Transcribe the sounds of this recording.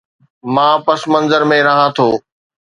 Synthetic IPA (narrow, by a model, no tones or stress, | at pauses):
mãːpɐsmɐ̃nzəɾmẽɾɐɦãt̪ʰoː